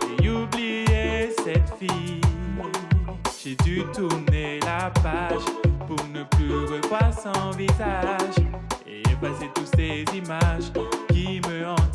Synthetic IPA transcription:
eublijesɛt̪fi | ʒ̥ed̪yt̪uʁnelapaʒpuʁnəplyʁəvwaʁsɑ̃vizaʒeʒəpaset̪ut̪sezimaʒkʲiməɑ̃

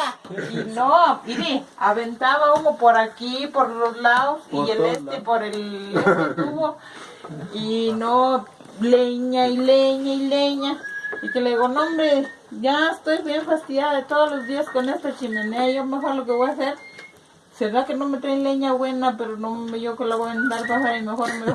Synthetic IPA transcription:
inoiniaβent̪aβakomopoɾakipoɾloslaðosielest̪epoɾeleet̪uβo | ino | leɲaileɲaileɲaikeleɣonõmbɾe | ʝaest̪ojβjeɱfast̪iɣjaðaet̪oðolozd̪iaskonest̪at͡ʃimeneajomexoɾlok̬eβejaseɾ | seðakenomet̪ɾajnleɲaβwenapeɾonomejokelaβoant̪aɾpasaɾimexoɾome

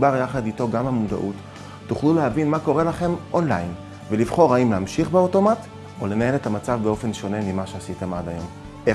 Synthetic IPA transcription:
baʁjaχadito̞ɡamamuda̰ʔutː | uχluleavinmako̞ʁe̞laχe̞mʔo̞nlajn | velivχo̞ʁaimleamʃiχbeo̞to̞mat | ole̞nae̞letamat͡savbeo̞fe̞nʃo̞ne̞mimaʃeasitemadajo̞m | e

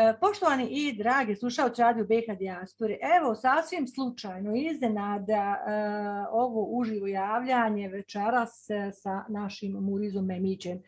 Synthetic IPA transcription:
po̞ʃt̪o̞ʋaniʔid̪ɾaːɡeslˠuʃaot̪siɾaːd̪ijobeːxad̪iaspo̞ɾiʔeʋo̞sasʋimslˠut͡ʃaːjnoiznenaːd̪a | o̞ʋo̞ʔuʒiʋojaːʋʎaɲe̞ʋet͡ʃeɾassanaʃimːuɾizomːemiːt͡ɕem

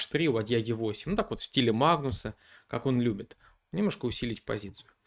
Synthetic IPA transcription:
ʂt̪ɾʲiʊɐdʲjaɡʲɪvo̞sʲɪmʲnʊt̪akvot̪fʲsʲtʲilʲɪmaɡnʊsə | kako̞nlʲubʲɪt̪ | nʲɪmnoʂkəʊsʲilʲɪtʲpɐ̰zʲit̪sɨjʊ

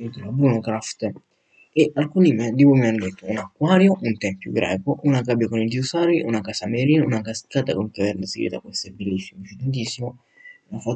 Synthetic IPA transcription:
int̪ulabɾunokɾaft̪ | eʔalkunimɛd̪ipomianːod̪et̪ːʊunakːwaɾjoʔunt̪ɛmpjṵɡɾɛ̰ːkoʔunakabjakonid͡ʒ̪iusaɾiʔunakasameɾiːnunakaskat̪akoŋkavɛɾnasiɡɾḭt̪a̰kwɛst̪abelːisːimot͡ʃit̪ent̪̬isːimo | unafa

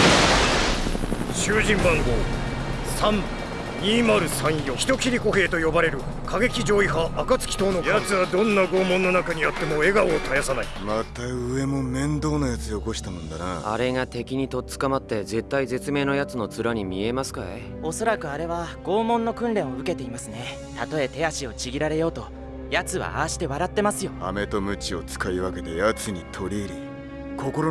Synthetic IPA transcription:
ɕɨːʑĩmbãŋɡo̞ː | sãm | ɲʲiːmaɾɯ̟sãɰ̃jo̞ːçi̥t̪o̞kʲiɾʲiko̞ɦe̞ːt̪o̞jo̞baɾe̞ɾɯ̟ | kʰaɡe̞kʲid͡ʑo̞ːiɦaːkat͡sɨ̥kʲi̥t̪o̞ːnojat͡sɨβad̪õ̞nːaɡo̞ːmõ̞nːo̞nakaɲ̟ijat̪ːe̞mo̞e̞ɡaoːt̪ʰajasanaimat̪ːaɯ̟e̞mo̞mẽ̞nd̪o̞ːnajat͡sɨeoko̞ɕi̥t̪amõ̞nd̪ana̰a̰ɾe̞ŋat̪e̞kʲiɲ̟it̪o̞t͡sɨ̥kamat̪ːe̞ze̞t̪ːaize̞t͡sɨme̞ːno̞jat͡sɨno̞t͡sɨɾaɲ̟imʲie̞masɨ̥kaḛ | o̞so̞ɾakɯ̟aɾe̞βaɡ̥o̞ːmõ̞nːo̞kɯ̟̃nɾẽ̞ɰ̃oɯ̟ke̞t̪e̞imasɨne̞ | t̪at̪o̞e̞t̪e̞jaɕio̞t͡ɕiɡʲiɾaɾe̞jo̞ːt̪o̞ | jat͡sɨβa̰a̰ːɕi̥t̪e̞βaɾat̪ːe̞masɨjo̞ame̞t̪o̞mɯ̟t͡ɕio̞t͡sɨ̥kaiβake̞d̪e̞jat͡sɨɲ̟it̪ʰo̞ɾʲieɾi | kʰo̞ko̞ɾo

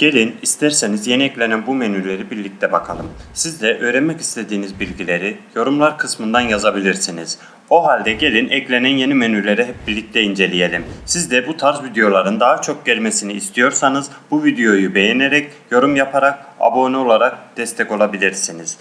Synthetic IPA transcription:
ɟ̥e̞lʲinist̪ʰæɾse̞nizje̞niɛclʲenænbumenyɾlʲe̞ɾibiɾlʲic̚t̪ʰɛbakʰa̰lˠɯmsizd̪ɛʔøːɾenmɛci̥st̪ʰe̞d̪iːnizbilʲɟilʲe̞ɾijo̞ɾumlˠaɾkʰɯsmɯnd̪anjazabilʲiɾsiniz̥ | o̞ɦalʲd̪ɛɟe̞lʲinʔɛclʲe̞nænje̞nimenyɾlʲe̞ɾɛɦɛp̚biɾlʲic̚t̪ʰɛind͡ʒe̞lʲije̞lʲimsizd̪ɛbut̪ʰaɾzvid̪ejo̞lˠaɾɯnd̪aɦat͡ʃʰo̞k̚ɟɛlʲmesiniːst̪ʰijo̞ɾsanɯz | buvid̪ejo̞jube̞jeneɾɛcjo̞ɾumjapʰaɾak̚a̰bonio̞lˠaɾak̚d̪̥ɛst̪ʰɛco̞lˠabilʲiɾsiniz̥

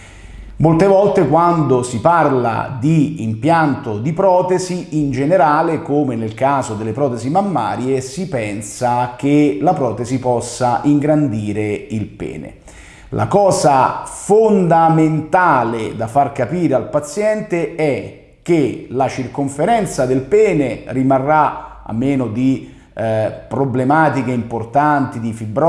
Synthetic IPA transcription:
molt̪evɔlt̪ekwand̪osiparla̰d̪ḭːmpjant̪od̪ipɾɔːt̪eziind͡ʒeneɾaːlekoːmenelkaːzod̪elːepɾɔːt̪ezimamːa̰ːɾjesipɛnsak̟elapɾɔːt̪ezipɔsːaʔiŋɡɾand̪iːɾeilpɛ̰ːnḛ | lʔa̰kɔːzafond̪ament̪aːled̪afarkapiːɾealpat̪sjɛnt̪eɛ | k̟ːelat͡ʃirkoɱfeɾɛnt̪sad̪elpɛːnerimarːaa̰mːeːnod̪i | pɾoblemaːt̪ik̟eimport̪ant̪id̪ifibɾɔ

